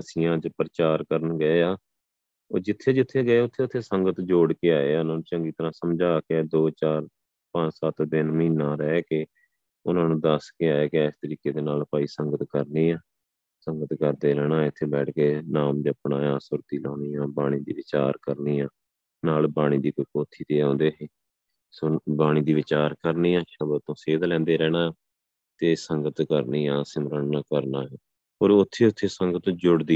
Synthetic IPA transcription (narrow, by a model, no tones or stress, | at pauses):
əsɪjãːt͡ʃəpɾət͡ʃaːɾkəɾənɡəeːaː | oːd͡ʒɪt̪ʰːeːd͡ʒɪt̪ʰːeːɡəeːʊt̪ʰːeːʊt̪ʰːeːsəŋɡət̪d͡ʒoːɽkeaːeːaːʊnãːnũːt͡ʃəŋɡiːt̪əɾãːsəmd͡ʒaːked̪oːt͡ʃaːɾ | pə̃sət̪d̪ɪnmɦiːnãːɾɛːkeː | ʊnãːnũːd̪əskeaːeːkeɛːst̪əɾiːkeːd̪eːnaːlpaːiːsəŋɡət̪kəɾniːãː | səŋɡət̪kəɾd̪eːɾɛːɽ̃ãːɪt̪ʰːeːbɛːʈʰkeːnaːmd͡ʒəpɳaːjãːsʊɾt̪iːlõːniːaːbaːɽ̃iːd̪ḭːʋɪt͡ʃaːɾkəɾniːãː | naːlbaːɽ̃iːd̪iːkʊkoːt̪ʰːiːt̪eːãːnd̪eːɦeː | soːbaːɽ̃iːd̪iːʋɪt͡ʃaːɾkəɾniːãːʃəbət̪õːseːd̪lɛ̃ːnd̪eːɾɛːɽ̃ãːaː | t̪eːsəŋɡət̪kəɾniːãːsɪmɾənːakəɾnaːjaː | oːɾʊt̪ʰːeːʊt̪ʰːeːsəŋɡət̪d͡ʒʊɽd̪iː